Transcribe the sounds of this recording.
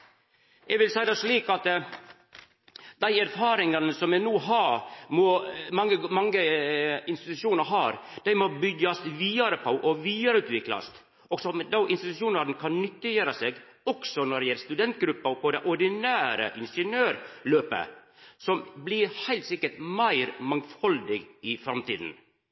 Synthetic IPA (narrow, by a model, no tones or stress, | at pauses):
ʔɛɡʋɪlsæɪd̪æɪʂɭiːkɑt̪ | d̪̥æɪæɾfɑːɾɪŋɑnəsɔmɛnuːɦɑɾmɔmɑŋːəmɑŋːəɪnst̪ɪt̪ʉʂuːnəɾɦɑːɾd̪̥æɪmɔbʏɡɑsʋiːɑɾəpʰɑʊʔɔʋiːɑɾəʉːt̪ʋɪklɑ̰st̪ | ɔɡsɔmd̪ɑʊʔɪnst̪ɪt̪ʉʂuːnɑɾnəkʰɑnnʏt̪ːəjøːɾəseːɡɔksɔnɔɖ̪ɛjɛləst̪ʉd̪ɛnt̪̚ɡɾʉpːɑpɔd̪ɛʔɔɾɖ̪ɪnæːɾə̰ʔɪnʂənøːɾløːpə̰ | sɔmblɪɾhæɪlt̪sɪkːəʈmæɪɾmɑŋfɑld̪ɪɡɪfɾɑmt̪ḭːd̪n̩